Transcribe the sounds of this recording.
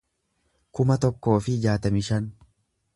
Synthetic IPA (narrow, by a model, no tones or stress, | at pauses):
kʊmɐt̪ɔkːo̞ːfɪːd͡ʒaːt̪ɐmɪʃɐn